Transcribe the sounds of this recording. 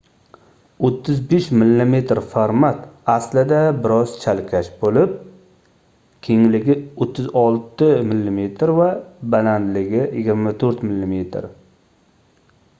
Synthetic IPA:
ot̪ʰːɪzbeʃmɪlːime̞t̪ɾfaɾmat̪aslɪd̪abɪɾɒz̥t͡ʃʰalkʲʰaʃbolɪp̚ | kʲʰeŋlɪɡʲɪot̪ʰːɪzɒlˠt̪ɪmɪlːɪme̞t̪ʰɾvabaland̪lɪɡʲɪjɪɡʲɪɾmat̪ʰɵɾt̪mɪlːime̞t̪ʰɾ

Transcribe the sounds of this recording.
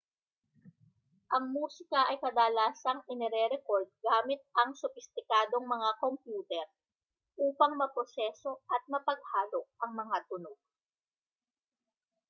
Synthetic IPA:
ʔɐŋmuːsɪkɐʔɐjkɐd̪aːlaːsɐŋʔɪnɛɾɛɾɛko̞ɾd̪̚ɡaːmɪt̪̚ɐŋsʊfɪst̪ɪkaːd̪o̞ŋmɐŋakompjuːt̪ɛɾ | ʔuːpɐŋmɐpɾosɛːso̞ʔɐt̪̚mɐpɐɡ̚haːlok̚ʔɐŋmɐŋat̪ʊnoɡ̚

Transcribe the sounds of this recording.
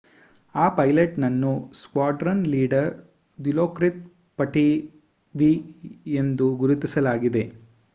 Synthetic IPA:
aːpɐjleʈnɐnːuskaːɖɾɐnliːɖɐɾ | d̪iloːkɾit̪̚ | pɐʈi | ʋiend̪uɡuɾut̪isɐlaːɡid̪e̞

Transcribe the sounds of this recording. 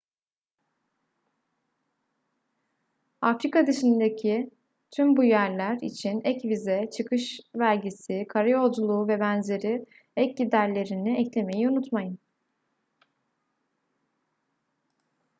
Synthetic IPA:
afɾikad̪ɯʃind̪ecʰi | t̪ʰymbujæɾlʲæɾḭt͡ʃʰinɛcvizɛt͡ʃʰɯkʰɯʃvælʲɟisikʰaɾajo̞d͡ʒulˠuːvɛbænze̞ɾi | ɛc̚ɟid̪æɾlʲe̞ɾiniɛclʲe̞me̞jiunut̪majɯn

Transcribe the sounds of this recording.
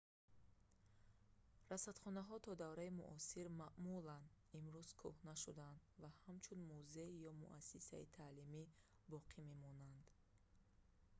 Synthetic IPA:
ɾasat̪χɔnaɦɔt̪ʰɔd̪avɾaimṵʔɔsiɾmaʔmulan | imɾuz̥kʰuhnaʃud̪and̪vahamt͡ʃʰunmuzeijɔmṵʔasisait̪ʰaːlimi | bɔqʰime̞mɔnand̪̥

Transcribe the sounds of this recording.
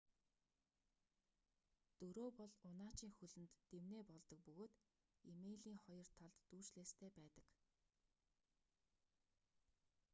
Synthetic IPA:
t̪ɵɾoːpɔɮʊnaːt͡ɕiːŋxɵɮɘ̆nt̪ːewneːpɔɮt̪ɞ̆k̚pɵɣoːt̪ | imeɮiːŋχɔjɞ̆r̥t̪ʰaɮt̪ːuːt͡ɕɮeːst̪ʰeːpæːt̪ə̥̆k

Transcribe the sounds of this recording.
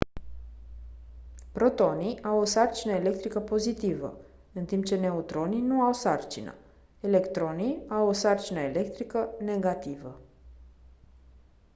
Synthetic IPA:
pɾo̞t̪o̞niʔawosart͡ʃinəele̞k̚t̪ɾikəpo̞zit̪ivə̰ | ɨnt̪impt͡ʃe̞ne̞ut̪ɾo̞ninuawsart͡ʃinə̰ | e̞le̞kt̪ɾo̞niawosart͡ʃinəele̞kt̪ɾikəne̞ɡat̪ivə̰

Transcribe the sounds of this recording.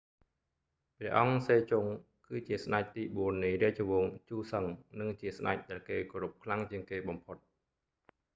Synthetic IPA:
prɛ̆əʔɑŋseːt͡ɕuŋ | kɨːt͡ɕiəsnac̚t̪iːɓuənːɨjriət͡ɕoʋoːŋt͡ɕuːsəŋnɨŋt͡ɕiəsna̰c̚ɗaɛlkeːkoːɾup̚kʰlaŋt͡ɕiəŋkeːɓɑmpʰot̪̚

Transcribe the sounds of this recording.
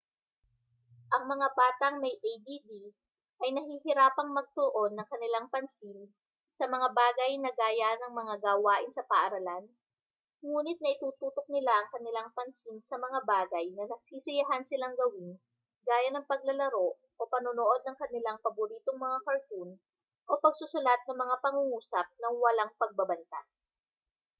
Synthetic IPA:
ʔɐŋmɐŋabaːt̪ɐŋmɐjʔejd̪id̪i | ʔɐjnɐhihɪɾaːpɐŋmɐɡ̚t̪ʊoʔo̞nːɐŋkɐnɪlaŋpɐnsin | sɐmɐŋabaːɡɐjnɐɡaːjanɐŋmɐŋaɡaːwaːʔɪnsɐpɐʔɐɾɐlan | ŋuːnɪt̪̚ŋɐʔɪt̪uːt̪uːt̪ok̚nɪlaʔɐŋkɐnɪlaŋpɐnsinsɐmɐŋabaːɡɐjnɐnɐsiːsɪjɐɦansɪlaŋɡɐwɪn | ɡaːjɐnɐŋpɐɡ̚lɐlɐɾo̞ʔ | ʔo̞pɐnonoʔo̞d̪̚nɐŋkɐnɪlaŋpɐbʊɾiːt̪oŋmɐŋakɐɹt̪un | ʔo̞pɐɡ̚sʊsʊlat̪̚nɐŋmɐŋapɐŋuŋuːsɐp̚nɐŋwɐlaŋpɐɡ̚bɐbɐnt̪as

